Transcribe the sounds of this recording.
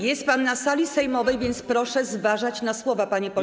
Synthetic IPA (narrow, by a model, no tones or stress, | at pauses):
jɛst̪̚panːasalʲisɛjmɔvɛjvʲjɛnt̪spɾɔʂɛzvaʐat͡ɕnaswɔvapaɲɛpɔ